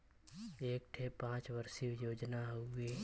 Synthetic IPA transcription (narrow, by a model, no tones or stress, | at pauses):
eːk̚ʈʰepãːt͡ʃʋəɾsijoːd͡ʒnaɦoeː